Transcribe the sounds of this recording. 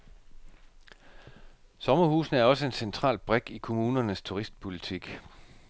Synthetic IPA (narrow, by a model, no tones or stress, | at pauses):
sɒ̽mɐhuːsn̩əæɐɒ̽s̬əe̝nsent͡sʰʁɑ̰̈ːlb̥ʁɛɡ̥ikʰo̝muːnɐnəst͡sʰuʁisd̥̚pʰo̝lit͡sʰiɡ̥